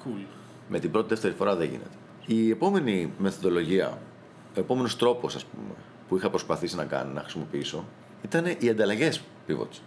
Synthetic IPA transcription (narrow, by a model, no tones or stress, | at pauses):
u | me̞t̪ibɾot̪iðeft̪e̞ɾifo̞ɾɐðe̞ʝḭne̞̰t̪e̥ | ie̞po̞me̞nime̞θoðo̞lo̞ʝiɐ̰ | o̞epo̞me̞no̞st̪ɾo̞po̞sɐspṵme̞̰ | puixɐpɾo̞spɐθisinɐkɐ̰ninɐ̰xɾisimo̞piiso̞ | it̪ɐne̞ʔiɐnd̪ɐlɐʝe̞s | pivo̰t̪